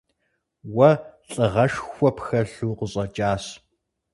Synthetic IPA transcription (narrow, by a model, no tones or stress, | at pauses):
wɐɬʼɨʁɐʃxʷɔpxɐɬuːqəɕʼɐt͡ʃʼaːs